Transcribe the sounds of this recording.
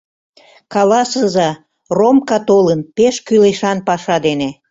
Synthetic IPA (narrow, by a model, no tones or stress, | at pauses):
kɑlɑsəzɑ | romkɑt̪olənpeʃkyleʃɑnpɑʃɑd̪ene